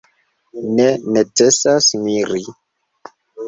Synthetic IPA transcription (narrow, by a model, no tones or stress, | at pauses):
nenet͡sesasmiɾi